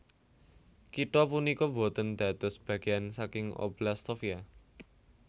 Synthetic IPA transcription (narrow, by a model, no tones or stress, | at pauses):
kiʈ̪ɔpunikɔbo̤t̪ənd̪̥a̤d̪̥ɔ̤sb̥ä̤ɡ̥eansakɪŋo̰blast̪ofia